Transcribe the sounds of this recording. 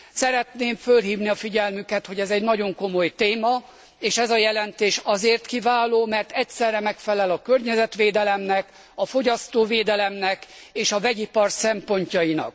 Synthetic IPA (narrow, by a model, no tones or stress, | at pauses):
sɛɾɛt̪neːɱfølɦiːvniɒfiɟɛlmykɛt̪ho̞ɟɛzɛɟnɒɟo̞ŋko̞mo̞jt̪eːmɒ | eːʃɛzɒjɛlɛnt̪eːʃɒzeːrt̪kivaːloːmɛrt̪ɛcsɛrːɛmɛkfɛlɛlɒkørɲɛzɛt̪ʋeːd̪ɛlɛmnɛk | ɒfo̞ɟɒst̪oːveːd̪ɛlɛmnɛk | eːʃɒvɛɟipɒrsɛmpo̞ɲcɒjinɒ̰k̚